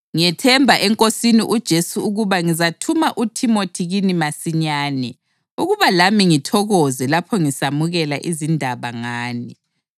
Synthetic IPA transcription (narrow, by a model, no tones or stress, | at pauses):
ŋiɛtʰɛmbʱaʔɛŋkʼosiniʔud̥ʒ̥ʱesuuɣuβaŋizatʰumaʔutʰimotʰiɣinimasiɲaːnɛ | uɣuβalamiŋitʰɔɣɔzɛlapʰɔŋisamuɣɛlaʔizindʱaβaŋaːni